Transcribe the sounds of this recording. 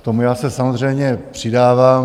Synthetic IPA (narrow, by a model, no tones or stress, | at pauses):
kt̪o̞mujaːsɛsamozr̝ɛjmɲɛpr̝̥ɪdaːvaːm